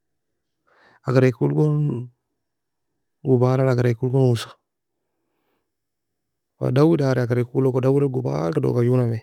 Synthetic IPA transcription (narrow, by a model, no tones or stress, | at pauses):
aɡaɾekulɡon | ɡubalalaɡaɾekulɡonusḁ | wa̰dawidaɾeaɡaɾekulokodawiɾaɡuba̰ltado̰kajuname